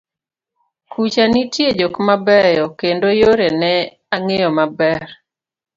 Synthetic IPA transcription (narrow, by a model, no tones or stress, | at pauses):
kʰut͡ʃanitjed͡ʒokmabɛjɔkendojoɾenɛ | aŋejɔmabɛr